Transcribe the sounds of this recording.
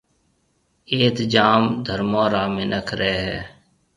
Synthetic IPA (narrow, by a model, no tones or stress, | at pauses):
eːt̪d͡ʒaːmd̪ʱəɾmoːɾaːmɪnəkʰɾɛɦɛː